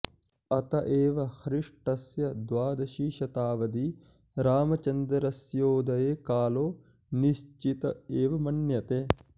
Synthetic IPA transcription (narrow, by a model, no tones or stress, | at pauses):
ɐt̪ɐʔeːʋɐhɾiʂʈɐsjɐd̪ʋaːd̪ɐʃiːʃɐt̪aːʋɐd̪i | ɾaːmɐt͡ʃɐnd̪ɐɾɐsjoːd̪ɐjeːkaːloː | niʃt͡ʃit̪ɐeːʋɐmɐnjɐt̪eː